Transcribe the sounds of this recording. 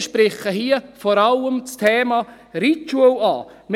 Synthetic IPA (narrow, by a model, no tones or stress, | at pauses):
ʃpɾɪχəhiːəfɔːɾɑlːəmt͡stʰeːmɑ | ɾit̪uəlɑ̰ː | m